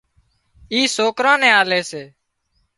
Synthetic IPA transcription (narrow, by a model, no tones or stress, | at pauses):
iːsoːkɾãːnɛ̃ːaːleːseː